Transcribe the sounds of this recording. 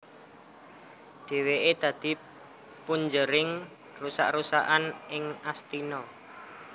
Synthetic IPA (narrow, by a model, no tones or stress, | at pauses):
d̪̥e̤weʔed̪̥ä̤d̪̥i̤ | puɲd͡ʒəɾɪŋ | rusa̰ʔrusaʔanʔɪŋast̪inɔ